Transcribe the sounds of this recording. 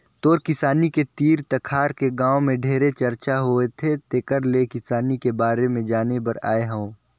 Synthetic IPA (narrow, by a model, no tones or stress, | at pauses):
t̪oːɾkɪsaːniket̪iːɾt̪ɐkʰaːɾkeɡãːomẽɖʱeːɾet͡ʃɐɾt͡ʃaɦoet̪ʰet̪eːkəɾlekɪsaːnikebaːɾemẽd͡ʒaːnepɐɾa̰ːeɦə̃õ